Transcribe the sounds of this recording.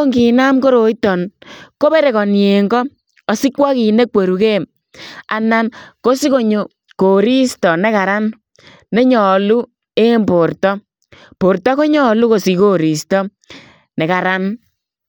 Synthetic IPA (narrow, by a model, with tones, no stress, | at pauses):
o˦ŋɡi˨na˦mko˦ɾo˨˦i˦tɔ˨nko˦be˦ɾe˨kɔ˨nje˨ŋɡɔ˦ | ɔ˨si˦kwa˦ki˨ne˦kwe˨ɾu˨ke˦˨m | a̰˨na˦nko˦si˦ko˦ɲo˨ | ko˨ɾi˦stɔ˨nɛ˦ka˨ɾa˦n | nɛ˦ɲɔ˨lu˦ | e˦mbo˨rtɔ˦ | po˨ɾtɔ˦ko˦ɲɔ˦lu˦ko˨si˨ko˦ɾi˨stɔ˦ | nɛ˨ka˨ɾa˦n